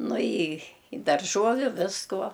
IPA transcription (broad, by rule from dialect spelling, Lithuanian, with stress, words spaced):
ˈnʊ ɪ ɪ dɐrˈʒuɔʋʲʊ ˈʋʲɪskuɔ